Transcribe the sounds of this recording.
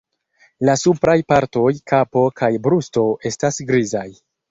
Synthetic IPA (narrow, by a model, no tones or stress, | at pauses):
lasupɾajpaɾto̞jkʰapo̞kʰajbɾusto̞ʔe̞stasɡɾizaj